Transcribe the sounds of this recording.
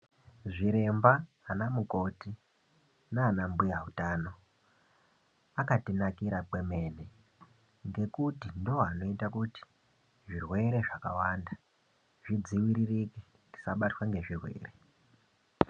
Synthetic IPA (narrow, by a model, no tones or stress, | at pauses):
ʐiɾe̞mba | anamuko̞ti | naːnambujaɦutano̞ | akatinakiɾake̞me̞ne | ŋɡe̞kutindooɦano̞itakuti̥ | ʐirwe̞ɾe̞ʐakawanda | ʐid͡ziwiɾiriki | ti̥saɓatwaŋɡe̞ʐirwe̞̰ːre̞